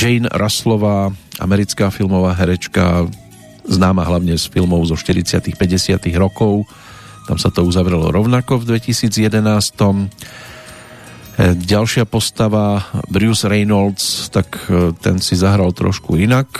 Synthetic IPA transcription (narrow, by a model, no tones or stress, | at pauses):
d͡ʒɛnɾʔaslɔʋaːʔa̰mɛɾit͡skaːfilmɔʋaːɦɛɾɛt͡ʃka̰ | znaːmaɦlaʊɲɛsfilmɔʊzɔʃt̪iɾit͡sɪat̪ixpɛɟɛsɪat̪iɣɾɔkɔʊ | t̪a̰msat̪ɔuzaʋɾɛlɔ̰ɾɔʊnakɔvd̪ʋɛcisiːd͡zjɛd̪ɛnaːst̪ɔm | ɟalʃɪapɔst̪aʋabɾuːzɾɛjnɔlst̪akt̪ɛ̰nsizaɦɾalt̪ɾɔ̰ʃkuinak